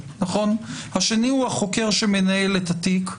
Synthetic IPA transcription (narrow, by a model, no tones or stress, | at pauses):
naχo̞nhaʃe̞nihuhaχo̞ke̞ʁʃeme̞naelethatik